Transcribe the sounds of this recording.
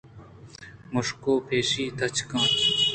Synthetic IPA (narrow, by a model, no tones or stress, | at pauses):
mʊʂkoːpʰeːʃiːt̪ɐt͡ɕkãː